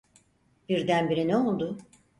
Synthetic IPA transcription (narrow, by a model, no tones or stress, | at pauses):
b̥iɾd̪ænbiɾinɛo̞lˠd̪ʊ